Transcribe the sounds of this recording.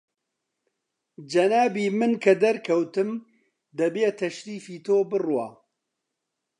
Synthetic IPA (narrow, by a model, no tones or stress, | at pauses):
d͡ʒɐnaːbiːmɨnkʰɐd̪ɐɾkʰɐwt̪ɨm | d̪ɐbeːt̪ʰɐʃɾiːfiːt̪ʰoːbɨrwɑ̰ː